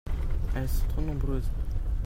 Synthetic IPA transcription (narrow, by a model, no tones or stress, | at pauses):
ɛlsɔ̃t̪χonɔ̃bʁøːz